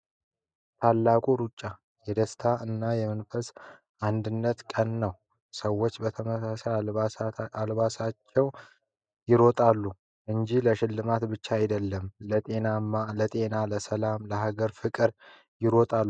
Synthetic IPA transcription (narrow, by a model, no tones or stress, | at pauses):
t̪ʰalːakʼuɾut͡ʃʼːa | jɛd̪əst̪ʰaɨnːajɛmənfəs | ʔand̪ɨnːət̪kʼənːəw | səwːot͡ʃːbət̪ʰəməasa | albasat͡ʃːɛw | jɪɾo̞t̪ʼalːu | ʔɨnd͡ʒiləʃɪlːɨmat̪bɨt͡ʃːaːjd̪əlːəmlət̪ʼe̞namːalət̪ʼe̞naləsəlamləɦaɡəɾfɨkʼɨɾ | jɪɾo̞t̪ʼalːu